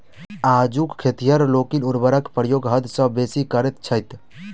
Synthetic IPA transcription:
ad͡ʒukkʰːet̪ijəɾlokinuɾbəɾəkpɾəjoɡɦəd̪ʱsə̃besikəɾɛt̪̚t͡ʃʰəjt̪

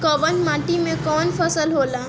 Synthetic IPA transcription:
kɔːʋənmãːʈimẽkɔːnfʰəsəlɦoːlaː

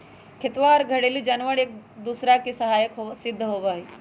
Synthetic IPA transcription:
kʰet̪ʋaːɾɡʱɐɽelud͡ʒɐnʋəɽek̚d̪usɾakisɐɦaːjəkɦosɪd̪ʱːəɦoːʋaːɦi

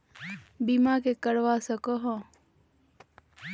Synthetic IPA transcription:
bimakekəɾʋasəkoɦɔ̃

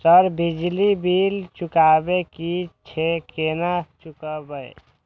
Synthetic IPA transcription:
səɾbid͡ʒlibilt͡ʃukabekit͡ʃʰekenat͡ʃukəbəj

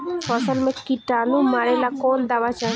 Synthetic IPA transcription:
fɔsɔlmẽkiʈanumaɾelakɔld̪aʋat͡ʃa

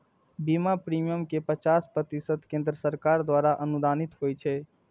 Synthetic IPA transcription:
bimapɾimijəmkepət͡ʃaːspɾət̪isəd̪kẽnd̪ɾəsəɾkaɾd̪waːɾaʔənud̪ʱanit̪ɦojt͡ʃʰɛ

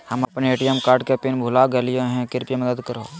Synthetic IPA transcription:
həmɐpneeːʈiɛmkaːɾɖkepinbʱʊlaɡelijoɦɛ̃kɪɾpiemɐd̪əd̪kəɾo

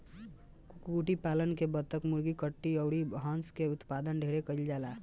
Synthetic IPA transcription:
kuʈipalənkebət̪ːəkmuɾɡikəʈːiəʊɽibɦãnskeut̪pad̪ənɖʱeɾekəild͡ʒala

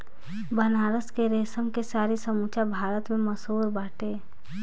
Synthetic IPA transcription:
bənaːɾəskeɾeːsəmkesaːɾisəmut͡ʃabʱaːɾət̪mẽməsoːɾbaːʈe

